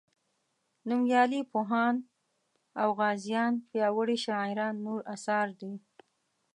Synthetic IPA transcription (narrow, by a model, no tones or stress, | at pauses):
numjɑlipoɦɑn | awɣɑzjɑnpjɑwəɽiʃaɪɾɑnːoɾasɑɾd̪i